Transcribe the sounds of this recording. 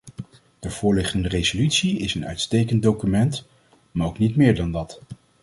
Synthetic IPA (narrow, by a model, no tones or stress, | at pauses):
d̥əv̥ʊːɹlɪχtəndərejzolytsiɪsənœ̰ɥtstejkəndowkymɛnt | maːɹowknitmɪːɹdɑndɑt